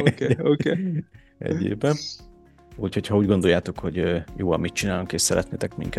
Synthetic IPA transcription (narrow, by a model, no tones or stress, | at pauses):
oke | ɛ̰ɟḛːbɛ | uːcho̞chɒuːɟɡo̞nd̪o̞jaːt̪o̞kho̞ɟøːjo̰ːɒ̰mit̪t͡ʃinaːloŋkeːʃsɛɾɛt̪nḛːt̪ɛkmḭŋkɛ